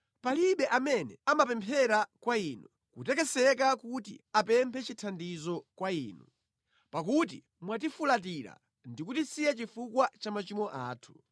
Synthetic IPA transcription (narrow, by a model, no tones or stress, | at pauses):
paliɓɛʔamɛnɛ̰amapɛmpʰɛɾakwainu | kutɛkɛsɛk̬akutḭapɛmpʰɛt͡ʃitʰandizɔkwaḭːnu | pak̬ut̬ḭ | mwat̬ifulat̬iɾa̰ | ndikutisijɛt͡ʃifukwat͡ʃamat͡ʃimɔʔa̰ːtʰu̥